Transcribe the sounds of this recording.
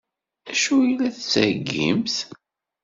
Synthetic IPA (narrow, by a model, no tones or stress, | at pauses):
æʃuilːæθt͡sːəɾɡːḭmθ